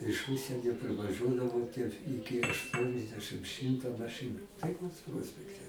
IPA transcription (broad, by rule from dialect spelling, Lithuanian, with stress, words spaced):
ɪʃ ˈʊʃʲsʲiɛnʲoː pʲrʲɪʋɐˈʒuɔdɐʋoː tʲiɛ ˈɪkʲɪ ɐʃˈtuɔnʲɛzʲdʲɛʃɨm ˈʃʲɪmtɐ mɐˈʃɨnʊ tɐɪˈkoːs ˈpruɔsʲpʲɛktʲɛ